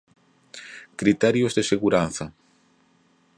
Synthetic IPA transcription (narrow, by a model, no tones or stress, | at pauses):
kɾit̪ɛɾjozðeseɣuɾanθɐ